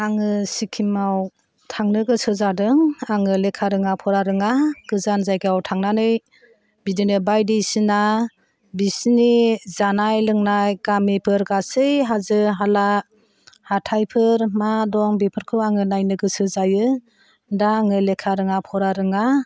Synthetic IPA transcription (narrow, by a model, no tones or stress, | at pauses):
aŋɯsikʰimaw | tʰaŋnɯɡɯsɯzadɯŋaŋɯlekʰaɾɯŋapʰɔɾaɾɯŋaɡ̥ɯzanzajɡɯawtʰaŋnanɯj | bidinɯbajdisina | bisnizanajlɯŋnajɡamipʰɯɾɡasɯjɦazɯɦala | hatʰajpʰɯɾmadɔŋbipʰɯɾkʰɯwaŋɯnajnɯɡɯsɯzajɯ | daːŋɯlekʰaɾɯŋapʰɔɾaɾɯŋa